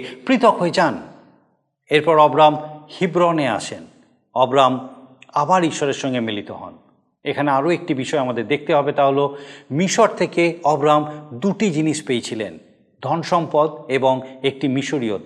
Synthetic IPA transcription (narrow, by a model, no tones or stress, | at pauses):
pɾit̪okɦoed͡ʑan | eɾpɔɾɔbɾamhibɾonea̰ʃʰen | ɔbɾamabaɾiʃɔɾeɾʃɔŋɡemilit̪oɦɔ̰n | ekʰaneaɾoek̚ʈibiʃɔeamad̪eɾd̪ek̚ʰt̪eɦɔbet̪aɦolomiʃoɾt̪ʰekeɔbɾamd̪uʈid͡ʑiniʃpejt͡ɕʰilḛn | d̪ʱɔnʃɔmpɔd̪eboŋek̚ʈimiʃoɾiot̪